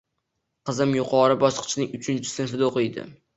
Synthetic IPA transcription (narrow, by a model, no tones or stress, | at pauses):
qɨzɪmjʊqʰɒɾɪbɒʃqʰɨ̥t͡ʃʰɪnɪŋʊt͡ʃʰɪnt͡ʃʰɪ̥sɪnfɪd̪aoqɨjd̪ɪ̰